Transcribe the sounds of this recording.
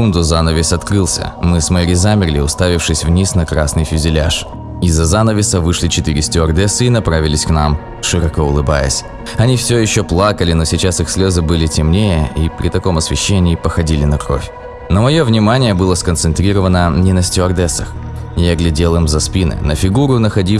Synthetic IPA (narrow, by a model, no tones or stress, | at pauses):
kund̪ʊzanəvʲɪsɐt̪kɾɨlˠsʲə̰mɨsməɾʲɪzamʲɪrʲlʲɪ̰ʊst̪avʲɪfʂɨsʲvnʲisnɐkɾasnɨjfʲʏzʲɪlʲa̰ʂ | ɪzːɐzanəvʲɪsəvɨʂlʲɪt͡ɕɪt̪ɨɾʲɪsʲtʲɪɐrd̪ɛsɨinɐpɾavʲɪlʲɪsʲknam | ʂɨɾɐkoʊlˠɨba̰jə̰sʲ | ɐnʲifsʲojɪɕːoplˠakəlʲɪnosʲɪt͡ɕasɨxsʲlʲo̞zɨbɨlʲɪtʲɪmnʲejəipɾʲɪt̪ɐko̞mɐsvʲɪɕːenʲɪːpəxɐdʲilʲɪnɐkɾo̞̰fʲ | nəmɐjovnʲɪmanʲɪjəbɨlˠəskənsɨnt̪ɾʲiɾəvənənʲɪnəsʲtʲɪɐrd̪ɛsəx | jaɡlʲɪdʲelˠɨmzɐspʲinɨ̰nəfʲɪɡuɾʊnəxɐdʲi